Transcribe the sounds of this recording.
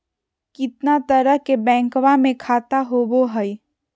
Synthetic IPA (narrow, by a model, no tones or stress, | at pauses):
kɪt̪nat̪əɾəɦkebɛ̃ːŋkwamẽkʰaːt̪aɦoboɦəi